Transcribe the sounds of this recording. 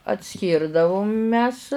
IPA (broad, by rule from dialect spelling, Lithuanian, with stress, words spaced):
ɐtʲˈsʲkʲiːrdɐʋʊm mʲɛs